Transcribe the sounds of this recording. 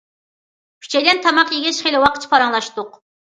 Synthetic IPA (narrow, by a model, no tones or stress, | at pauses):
kʲʰy̥t͡ʃʰɛjlɛnt̪ʰɑmɑqjeɡʲɛʃχelɪwɑqʰə̥t͡ʃʰpʰɑɾɑŋlˠɑʃt̪ʊq